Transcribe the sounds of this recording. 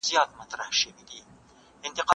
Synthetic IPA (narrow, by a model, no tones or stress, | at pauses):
zjɑːt̪mat̪ɾahʃevid̪i | ɪnt̪ɪqɑ